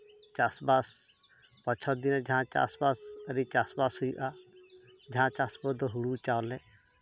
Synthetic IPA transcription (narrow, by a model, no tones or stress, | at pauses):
t͡ʃasbas | pɔt͡ʃʰɔd̪inɔd͡ʒãt͡ʃa̰sbasəɾit͡ʃasbashujṵʔa | d͡ʒãt͡ʃasbɔd̪ɔɦuɽut͡ʃawlɛ